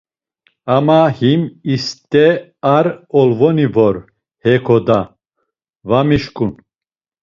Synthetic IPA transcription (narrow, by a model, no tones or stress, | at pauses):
amahimist̪ʼɛaɾɔlvɔnivɔɾ | hɛkʰɔd̪a | vamiʃkʼun